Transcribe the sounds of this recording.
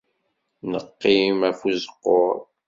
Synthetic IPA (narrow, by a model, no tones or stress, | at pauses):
nəqːimæfuzəqːoɾˤ